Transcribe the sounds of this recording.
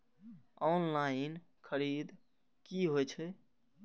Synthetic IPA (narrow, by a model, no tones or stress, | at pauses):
ɔnlaɪn | kʰəɾid̪ | kiɦojt͡ʃʰɛ